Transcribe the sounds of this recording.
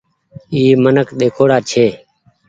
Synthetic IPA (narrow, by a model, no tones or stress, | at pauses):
iːmənəkɗ̪eːkʰoːɽaːt͡ʃʰeː